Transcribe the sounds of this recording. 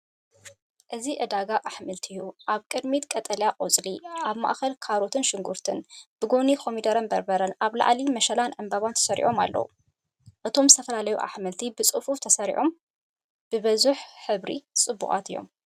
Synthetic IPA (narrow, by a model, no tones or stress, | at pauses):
ʔɨziʔɨd̪aɡaʔaħmɨlt̪ʰjuʔaβkʼɨd̪mit̪kʼɐt̪ʼɐljaqʼot͡sʼliaβma̰ʔxɐlkʰaɾot̪ʰɨnʃɪŋɡuɾt̪ʰɨnb̥ɨɡonikʰo̞mid̪ɐɾɐnbɐɾbɐɾɐnaβla̰ʕlimɐʃɐlanʕɨmbɐβant̪ʰɐ̥sɐɾḭʔo̞ma̰lːɐ̰wṵ | ʔɨt̪ʰomzɨ̥t̪ʰɐfɐlalɐjuʔa̰ħmɨlt̪ʰibɨt͡sʼɨfuft̪ʰɐsɐɾḭʕʔo̞m | b̥ɨβɐzuħħɨβɾḭt͡sʼɨbːṵχʼa̰t̪ɨjːo̞̰m